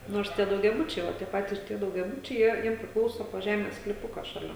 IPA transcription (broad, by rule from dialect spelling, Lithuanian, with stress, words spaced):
ˈnoːrs ˈtʲiɛ dɐʊɡʲɛˈbʊt͡ʃʲɛɪ ˈʋɐ tʲiɛ ˈpɑːtʲiːs tʲiɛ dɐʊɡʲɛˈbʊt͡ʃʲɛɪ ˈjiɛ ˈjiɛm pʲrʲɪˈklˠɐʊsoː poː ˈʒʲæːmʲeːs sklʲiːˈpʊkɐ ʃɐˈlʲɛ